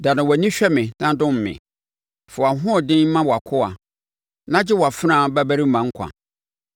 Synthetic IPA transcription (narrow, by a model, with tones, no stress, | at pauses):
da˨nʊ̃˨wɔ˨nĩ˦ɕᶣɛ˦mɪ̃˨nã˦dʊ̃˦m̩˨mɪ̰̃˨ | fʊ˨a˨ɦʊ̃˦ɔ˨dɪ̃˦n˦mã˦wɔ˨a˨kʰʊ˦a˨ | nã˦d͡ʑɪ˦wɔ˨a˨fɾã˦˨bæ˦bæ˦ɾi˦mã˨ŋ̩˦kʷʰã̰˨